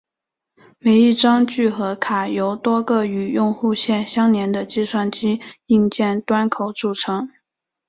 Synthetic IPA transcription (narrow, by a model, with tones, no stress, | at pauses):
me˧˥ɪi˥˩ʈ͡ʂɑ˥ŋt͡ɕy˥˩xɤ˧˥kʰa˨˩jo˧˥ʊt̪wɔ˥ɡɤ˥˩y˨˩jʊ˥˧ŋxu˥˧ɕjɛ˥˩nɕjɑ˥ŋnjɛ˧˥nd̪ə˧t͡ɕi˥˧swa˥˩nt͡ɕi˥i˥˧ŋt͡ɕjɛ˥˩nt̪wa˥nkʰo˨˩ʊʈ͡ʂu˥˩ʈ͡ʂʰɤ˧˥ŋ